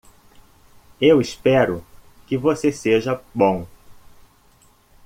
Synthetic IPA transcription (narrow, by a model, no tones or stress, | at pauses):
ewɪspɛɾʊ | kɪvoseseʒɐbõw̃